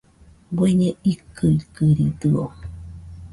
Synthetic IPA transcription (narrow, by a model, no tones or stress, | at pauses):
beɲẽikɨikɨɾit̪ɨo̰